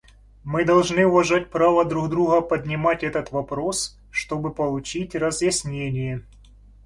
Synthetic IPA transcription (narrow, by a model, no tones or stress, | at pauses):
mɨd̪ɐlˠʐnɨʊvɐʐatʲpɾavəd̪ɾuɣd̪ɾuɣəpədʲnʲɪmatʲɛt̪ət̪vɐpɾo̞s | ʂt̪o̞bɨpəlˠʊt͡ɕitʲrəzjɪsʲnʲenʲɪjə